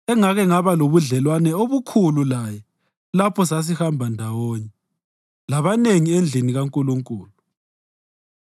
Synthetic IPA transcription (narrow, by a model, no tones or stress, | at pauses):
ɛŋaɣɛŋaβaloβuɮɛlwanɛoβukʰululajɛ | lapʰɔsas̬ihambʱandʱawɔːɲɛ | laβaneŋiend͡ɮʱiniɣaŋkʼuluŋkʼuːlu